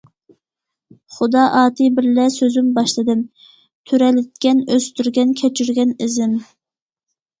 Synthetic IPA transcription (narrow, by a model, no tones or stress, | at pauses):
χʊd̪ɑʔɑːt̪ʰɨbɪɾlɛsøzymbɑʃlˠɨd̪ɨm | t̪ʰyɾɛlɪt̪̚kʲɛnøst̪yɾɡʲɛnkʲʰɛt͡ʃʰyɾɡʲɛnɪzɪm